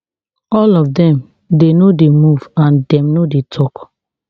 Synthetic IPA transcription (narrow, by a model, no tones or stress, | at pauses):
ɔlɔvdɛ̃m | denodemuvãndɛ̃mnodetʰɔk